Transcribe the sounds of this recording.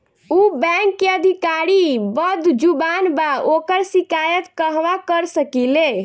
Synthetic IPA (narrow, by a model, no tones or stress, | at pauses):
ubɛkːeəd̪ʱikaɾibəd̪ʱd͡ʒubanbaʔokəɾsikajət̪kəɦʋakəɾsəkile